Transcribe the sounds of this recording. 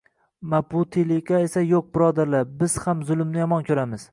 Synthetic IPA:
mabʊt̪ʰelɪkʲae̞sajoq̚bɪɾɒd̪aɾlabɪz̥hamzʊlˠɪmnɪjɒmɒnkʲʰɵɾamɪz

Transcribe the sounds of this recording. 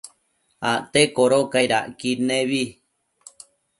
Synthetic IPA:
aʔt̪ekoɾokaiɾaʔkinẽβi

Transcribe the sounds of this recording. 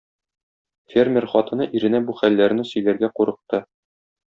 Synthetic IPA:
fʲermʲerχɒt̪ɤ̆nɤʔiɾɘ̆næbuχælːæɾ̆nɘsɵ̆jlæɾɡæquɾɤ̆q̚t̪ɤ

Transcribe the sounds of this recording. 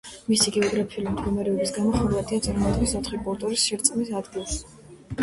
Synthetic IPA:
misiɡɛɔɡɾapʰiulimd̪ɡɔmɛɾɛɔbisɡamɔχɔd̪uvat̪ʰʼiat̪sʼiɾmɔd̪ʼʁisɔt̪ʰχibʼulˠt̪ʼuɾisʃiɾt̪sʼmisad̪ɡilˠs

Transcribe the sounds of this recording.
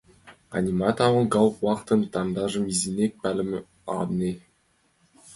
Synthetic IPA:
a̰nʲimɑt̪ɑwɤ̆ɡɑlˠwɑqt̪ɤ̆nt̪ɑmd̪ɑʒəmizʲenʲek̚pælʲɘ̆m | ɑ̰d̪ne

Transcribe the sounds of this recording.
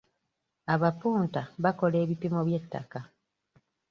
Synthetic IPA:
aβapuːntaβako̞le̞ːβipimo̞βje̞tːa̰ka

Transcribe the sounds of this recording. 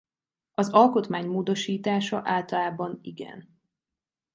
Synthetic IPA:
ɒzɒlko̞t̪maːɲmoːd̪o̞ʃiːt̪aːʃɒʔaːlt̪ɒlaːbɒniɡɛ̰n

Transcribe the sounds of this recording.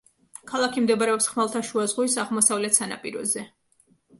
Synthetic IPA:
kʰalˠakʰimd̪ɛbaɾɛɔpsχmalˠt̪ʰaʃuazʁuisaʁlˠmɔsavlɛt̪ʰsana̰pʼḭɾɔ̰zɛ

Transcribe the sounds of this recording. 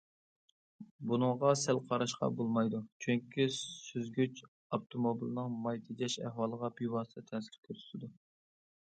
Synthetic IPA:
bunɨŋʁɑsælqʰɑɾɑʃqɑ̰bolˠmɑjd̪ut͡ʃʰyŋkʲʰisyzɡʲyt͡ʃ | ɑp̚t̪ʰomobilnɨŋmɑjt̪ʰɨd͡ʒʲɛʃæ̰hwɑːlˠəʁɑpʰijwɑst̪ʰɨt̪ʰɛnsɪɾkʲʰøɾy̥t̪ɪd̪u

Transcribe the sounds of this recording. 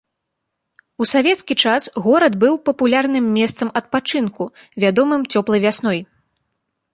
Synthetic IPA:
usavʲɛt̪skʲit͡ʂasɣɔɾɐd̪bɨwpɐpulʲarnɨmːʲɛst̪sɐmɐt̪̚pat͡ʂɨnku | vʲad̪ɔmɨmt͡sʲɔplˠɐjvʲasnɔj

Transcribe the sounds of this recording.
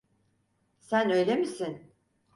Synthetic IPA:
sænø̞jlʲe̞misin

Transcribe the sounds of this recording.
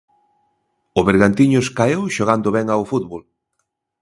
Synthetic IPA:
ʊβeɾɣant̪iɲʊskaewʃoɣ̞and̪ʊβɛŋawfut̪βol

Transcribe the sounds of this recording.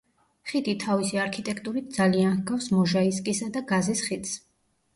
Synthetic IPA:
χid̪it̪ʰavisiaɾkʰit̪ʼɛkʰt̪ʼuɾit̪̚ʰd̪zalianhɡafsmɔʒaiskʼisad̪aɡazisχit̪s

